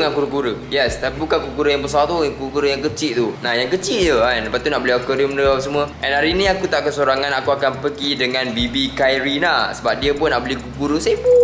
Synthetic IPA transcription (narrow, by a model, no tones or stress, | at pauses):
ŋankuɾəkuɾəjɛst̪apibukankukuɾəjaŋbəs̬at̪ujaŋkuɾəkuɾəjaŋkət͡ʃiʔt̪unahjaŋkət͡ʃiʔ̚jəanləpat̪̚t̪unaʔbəliakəɾimədəapasəmũəʔɛ̃naɾinĩakut̪aʔkəsoɾaŋãnakuakanpəɡidəŋãnbibikajɾinasəbap̚diəpʊnːaʔbəlikukuɾəsepu